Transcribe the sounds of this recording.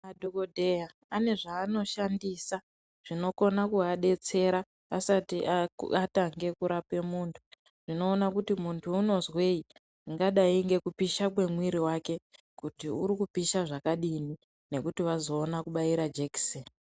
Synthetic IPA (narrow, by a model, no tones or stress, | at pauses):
madʱokodʱeja | ane̞ʐaːno̞ʃandiːsa | ʐ̥ino̞ko̞nakuaɗe̞t͡se̞ɾa | asatiʔataŋɡe̞kuɾape̞muːntʰu̥ | ʐ̥ino̞ːnakutimuntʰuːno̞zwe̞i | ŋɡaɗaiŋɡe̞kupiʃakwe̞mwiɾiwake̞ | kutiuɾikupiʃaʐakaɗini | ne̞kutiʋazo̞ːnakuɓaiɾad͡ʒeki̥seni